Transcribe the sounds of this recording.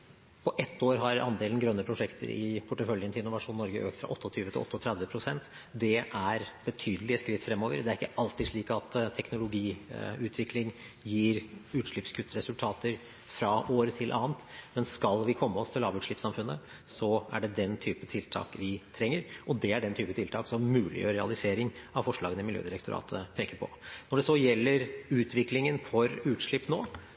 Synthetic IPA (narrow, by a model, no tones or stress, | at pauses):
pʰɔʔɛt̪ʰːoːɾɦɑɾɑ̰nd̪eːln̩ɡɾœnːəpʰɾʊʂɛkt̪ʰə̰ɾɪ̰pʰʊʈːəfœljənt̪ɪlɪnːʊʋɑʂuːnːɔɾɡəʔø̰ːkt̪fɾɑ̰ʔɔt̪ːɔt̪ʰyːʋət̪ɪlɔ̰t̪ːəɔt̪ʰɾɛd̪ʋəpʰɾʊsɛnt̪ | d̪ɛʔæɾbət̪ʰyːd̪əlɪəskɾɪt̪ːfɾɛmːoːʋə̰ɾd̪ɛæɾɪkːəʔɑlt̪ɪd̪ʂɭiːkɑt̪t̪ʰɛknʊlʊɡiːʉːt̪ʰʋɪklɪŋ | jiːɾʉːt̪ʂɭɪpskʰʉt̪ːɾɛsʉlt̪ʰɑːt̪əɾ | fɾɑoːɾət̪ʰɪlʔɑ̰ːnt̪mɛnskɑlʋɪkʰɔmːəɔst̪ʰɪlɑːʋʉːt̪ʂɭɪpsɑmfʉnːə | sɔæɖɛd̪ɛnt̪ʰyːpət̪ʰɪlt̪ʰɑ̰ːkʋɪt̪ʰɾɛŋːəɾɔd̪ɛæɖɛnt̪ʰyːpət̪ɪlt̪ʰɑːksɔmːʉːlɪ̰jøːɾɛɑlɪseːɾɪŋɑʋfɔʂɭɑːɡənəɪmɪljø̰ːd̪ɪɾəkt̪ʊɾɑ̰ːt̪ʰəpʰeːkəɾpʰɔ̰nɔɖɛsɔjɛlːəɾʉːt̪ʰʋɪklɪŋənfɔɾʉːt̪ʂɭɪpːno̰ː